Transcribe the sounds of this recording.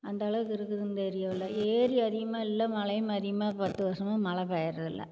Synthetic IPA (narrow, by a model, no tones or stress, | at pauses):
ɐnd̪ɐːɭɐʋɯkːɪɾɯkːɯɾɯnd̪eːɾɪjɐʋɪlːɐeːɾiɐðɪɣɐmaːɪlːɐmɐɭɐjmɐðɪɐmaːpɐt̪ːɯʋɐʂɐmaːmɐɭɐpaːjɐɾɐðɪlːɐ̰